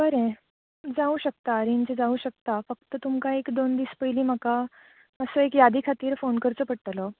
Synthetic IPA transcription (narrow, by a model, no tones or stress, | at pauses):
bəɾẽ | d͡zauɕək̚t̪aːɾiɲt͡ɕed͡zauɕək̚t̪afək̚t̪ət̪umkaekd̪ond̪iːspəjliːm̤əka | əsəekjad̪ʱiːkʰat̪iːɾfonkəɾt͡səːpəɽt̪lɔ